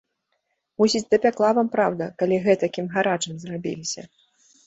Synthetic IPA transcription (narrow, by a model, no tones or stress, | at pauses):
musʲid͡zʲd̪ɐpʲaklˠavampɾawd̪ɐkalʲiɣɛt̪ɐkʲimɣaɾat͡ʂɨmzrabʲḭlʲisʲɐ̰